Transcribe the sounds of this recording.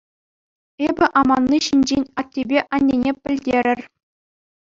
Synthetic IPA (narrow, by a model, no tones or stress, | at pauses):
ebʲɘ̆ʔɑmɑnːiɕinʲd͡ʑenʲɑtʲːebʲeʔɑnʲːenʲepʲɘ̆lʲdʲeɾʲɘ̆rʲ